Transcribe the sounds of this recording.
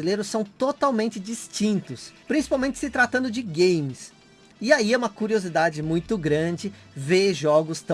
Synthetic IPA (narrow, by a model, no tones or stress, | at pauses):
ilejɾʊssːɐ̃w̃t̪ot̪awmẽnt͡ʃɪd͡ʒist͡ʃĩnt̪ʊspɾĩsi̥pawmẽnt͡ʃɪ̥sɪt̪ɾat̪ɐ̃nd̪ʊd͡ʒɪɡẽjmɪs | ɪaiɛũmɐkuɾiozid̪ad͡ʒɪmũj̃t̪ʊɡɾɐ̃d͡ʒɪ | veʒɔɡʊst̪ɐ̃